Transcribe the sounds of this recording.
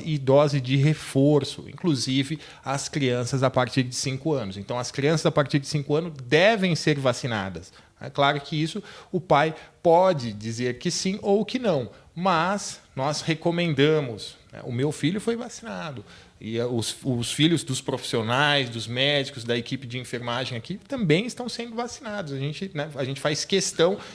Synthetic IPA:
ɪd̪ɔzɪd͡ʒɪɦefoɾsʊ̰ḭ̃kluzivɪ | ɐskɾiɐ̃sɐzapaɾt͡ʃiɾd͡ʒɪsĩŋkʊɐ̃nʊzẽnt̪ɐ̃w̃ɐskɾiɐ̃sɐzapaɾt͡ʃiɾd͡ʒɪsĩŋkʊɐ̃nʊzd̪ɛvẽj̃seɾvasina̰d̪ɐs | nɛ̰klaɾʊkɪisʊʊpajpɔd͡ʒɪd͡ʒizeɾkɪsĩʔowkɪnɐ̃w̃ | mɐsnɔshekomẽnd̪ɐ̃mʊsnɛ̰ʔʊmewfiʎʊfojvasinad̪ʊ | ɪʊsʊsfiʎʊzd̪ʊspɾofi̥sionajzd̪ʊzmɛd͡ʒikʊzd̪ɐekipɪd͡ʒɪĩfeɾmaʒẽj̃akit̪ɐ̃mbẽj̃ɪst̪ɐ̃w̃sẽnd̪ʊvasinad̪ʊzaʒẽnt͡ʃɪnɛaʒẽnt͡ʃɪfajskest̪ɐ̃w̃

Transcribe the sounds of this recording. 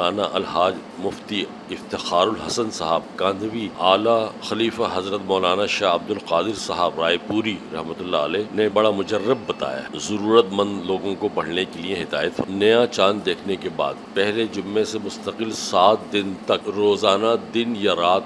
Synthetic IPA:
aːnaʔɐlɦaːd͡ʒ | mʊft̪i | ɪft̪ɪxaːɾʊlɦɐsənsɐɦaːbkãːnd̪əbiaːlaxɐliːfaɦɐzɾət̪mɔːlaːnaʃaːɦɐb̚d̪ʊlqaːd̪ɪɾsɐɦaːbɾaːipuːɾiɾɐ̰ɦmət̪ʊlːaəlɛːnebɐɽamʊd͡ʒərːəbːɐt̪a̰ːja̰zɐɾuːɾət̪mɐ̃nd̪loːɡõkobɐɽ̤nekelieɦɪd̪a̰ːjət̪fɐnɐjãt͡ʃãːnd̪eːkʰnekeba̰ːd̪̚pɛɦled͡ʒʊmːesemʊst̪əqɪlsaːt̪̚ʰd̪ɪnt̪ɐkɾoːzaːnad̪ɪnjaɾaːt̪

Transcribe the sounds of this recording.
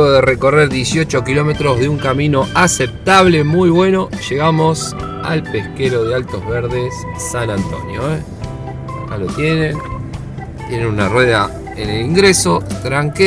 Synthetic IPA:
ɣoðere̞ko̞reɾðje̞sio̞t͡ʃo̞kilo̞me̞t̪ɾozðeuŋkamĩno̞asep̚t̪aβ̞le̞mujβwe̞noʃe̞ɣamo̞s | a̰lpehkeɾo̞ðealt̪o̞zβeɾðe̞sː | anant̪o̞̰njo̰e | alot̪je̞nẽn | t̪je̞nenunarwe̞ða | eneliŋɡɾeso̞t̪ɾaŋk

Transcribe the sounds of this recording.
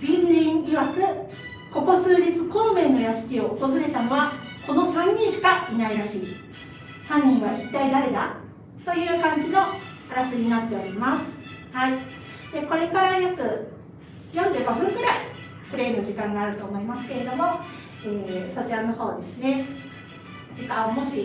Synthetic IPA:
b̥ʲĩɲĩŋiβakɯ̟ | ko̞ko̞sɨːʑit͡sɨ̥ko̞ːmẽ̞nːo̞jasɨ̥kʲio̞ːt̪o̞zɨɾe̞t̪ano̞βako̞no̞sãɲːĩɰ̃ɕi̥kainaiɾaɕiː | hãɲ̟ːĩɰ̃βait̪ːaid̪aɾe̞ɡ̪a̰ | t̪o̞jɯ̟ːkãɲ̟d͡ʑino̞ | aɾasɨɲ̟ʲinat̪ːe̞o̞ɾʲimasɨ̥hai | d̪̥e̞ko̞ɾe̞kaɾajakɯ̟ | jõ̞ɲ̟d͡ʑɨːɡo̞ɸɯ̟̃ŋɡɯ̟ɾai | ɸɯ̟ɾe̞ːno̞ʑikãŋɡaːɾɯ̟t̪o̞ːmo̞imasɨ̥ke̞ɾe̞d̪o̞mo̞ | eːso̞t͡ɕiɾano̞ho̞ːd̪e̞sɨne̞ | d͡ʑikãmoɕi

